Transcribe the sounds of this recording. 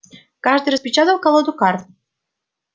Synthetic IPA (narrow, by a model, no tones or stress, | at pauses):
kɑʒd̪ɨjɾəspʲit͡ɕɑt̪əlˠkalˠod̪ukɑrt̪̚